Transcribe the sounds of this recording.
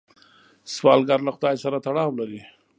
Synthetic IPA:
swɑlɡɑɾlaxʊd̪ɑjsaɾat̪aɽɑwlaɾi

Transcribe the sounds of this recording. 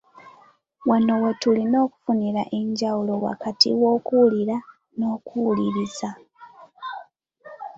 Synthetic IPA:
wano̞wetulino̞ːku̥funiɾaʔe̞ɲɟawulo̞wa̰katḭwo̞ːkuliɾa | no̞ːkuːliɾiza

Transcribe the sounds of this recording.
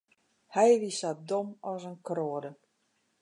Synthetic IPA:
hɛjʋisat̚domɔsənkroədə

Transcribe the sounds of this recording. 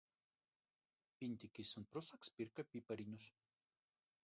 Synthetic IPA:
pʲinʲt̪ʲikʲisʊnpɾʊsɐkspʲiɾkɐpʲipɐɾʲinʲʊs

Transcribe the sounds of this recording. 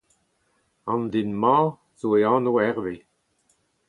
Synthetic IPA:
ɑ̃nd̪inmɑ̃ː | z̥oeɑ̃ːnoɛʁve

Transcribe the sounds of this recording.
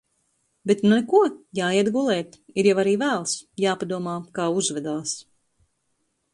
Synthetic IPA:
bet̪nulɛkuɔjaːiɛd̪ɡulˠɛːt̪iɾjavaɾiːvæːlˠsjaːpad̪uɔmaːkaːuzvɛd̪aːs

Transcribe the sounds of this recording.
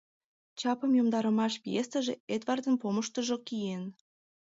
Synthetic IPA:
t͡ɕɑpə̆mjomd̪ɑɾə̆mɑʃpijest̪əʒeed̪vɑrd̪ənpoməʃt̪əʒokijen

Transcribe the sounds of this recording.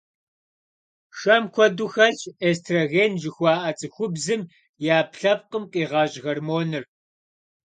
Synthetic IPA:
ʃɐmkʷʰɔduxɐɬeːstʰrɐɣeːnʒɪxʷɑːʔɐt͡sʼɨxʷʊbzɨm | jaːpʰɬɐp̚qəmqʼiːʁɑːʑɣɐrmoːnɨr

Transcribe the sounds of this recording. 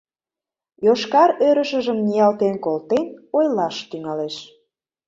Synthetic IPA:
joʃkɑɾøɾə̆ʃə̆ʒə̆mnijɑlt̪enkolt̪enojlɑʃt̪yŋɑleʃ

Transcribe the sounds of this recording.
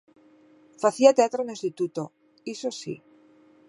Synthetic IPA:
faθiat̪eat̪ɾonĩst̪it̪ut̪o | isosḭ

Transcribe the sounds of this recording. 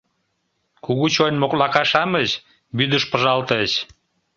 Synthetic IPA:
kuɣut͡ɕojnmoklɑkɑʃɑmət͡ɕ | byd̪əʃpəʒɑlt̪ət͡ɕ

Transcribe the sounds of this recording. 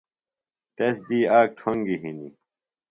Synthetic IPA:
t̪esd̪iːaːk̚ʈʰoŋɡiɦinḭ

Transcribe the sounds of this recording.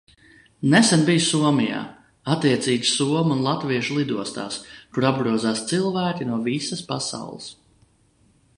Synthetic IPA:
nɛsɛnbijssuɔmija̰ː | at̪ːiɛt̪siːɡ̪suɔmunlˠat̪viɛʃulˠid̪uɔst̪a̰ːskuɾab̚ɡɾuɔzaːst̪silˠvæːkʲinuɔvisəspasa̰wlˠə̰s

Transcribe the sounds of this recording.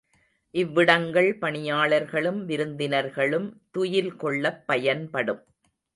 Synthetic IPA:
ʔɪʋːɪɽɐŋɡɐɭpɐɳɪjaːɭɐɾɣɐɭɯmʋɪɾɯnd̪ɪnɐɾɣɐɭɯmt̪ʊjɪlkɔɭːɐpːɐjɐnpɐɽɯm

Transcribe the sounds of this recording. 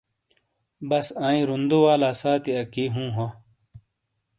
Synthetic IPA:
bɐsãːĩɾund̪uwaːlaːsaːt̪iɐkiɦũːɦo

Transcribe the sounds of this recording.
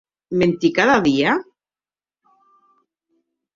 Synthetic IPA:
ment̪ikaðaðia

